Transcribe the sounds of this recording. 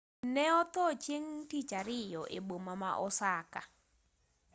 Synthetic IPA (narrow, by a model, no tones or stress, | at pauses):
nɛɔt̪ɔt͡ʃjeŋtit͡ʃaɾɪjɔʔḛbomama̰ʔɔsaka